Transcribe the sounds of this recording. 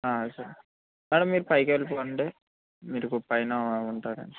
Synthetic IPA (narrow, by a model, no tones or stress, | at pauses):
aːsɐɾ | mɛːɽɐmːiːɾupɐjkelipoːɐɳɖeː | miːɾukupːɐjnaːuɳʈaːɾɐ̰ɳɖi̥